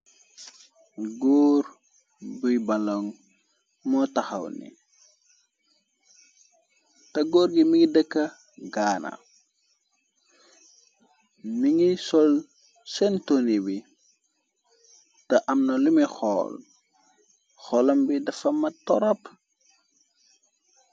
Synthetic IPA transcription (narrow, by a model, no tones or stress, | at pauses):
ɡɔːr | bujbɐlɔŋ | mɔtɐxɐ̰wnḭ | tɐɡɔːɾɡimiŋɡidəkːɐ | ɡaːna̰ | miŋisɔl | sɛntonibi | tɐʔɐmnɐlumixɔ̰ːl | xɔlɐmbidɐfɐmːɐtɔɾɔp